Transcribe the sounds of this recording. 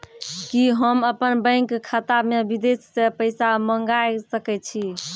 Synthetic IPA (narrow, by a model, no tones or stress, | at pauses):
kiɦəməpənbə̃ŋkkʰːat̪amebid̪essepəɪsaməŋɡasəkɛt̪̚t͡ʃʰi